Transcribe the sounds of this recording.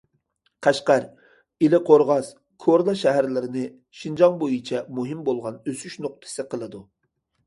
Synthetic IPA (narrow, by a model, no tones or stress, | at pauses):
qʰæʃqæɾ | ilɪqʰoɾʁɑs | kʰoɾlˠɑʃɛɦæɾlɪɾɪnɪ | ʃind͡ʒɑŋbojit͡ʃʰɛmuɦɪmbolˠʁɑnøsyʃnoq̚t̪ʰɨ̥sɨqʰəlˠɨd̪u